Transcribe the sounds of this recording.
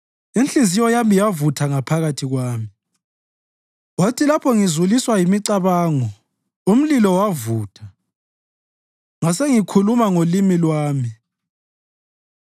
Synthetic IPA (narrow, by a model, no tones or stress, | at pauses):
int͡ɬizijɔjamijavutʰaŋapʰaɣatʰiɣwaːmi | watʰilapʰɔŋizuliswajimiǀaβaːŋɔ | um̩lilɔwavuːtʰḁ | ŋaseŋikʰulumaŋolimilwaːmi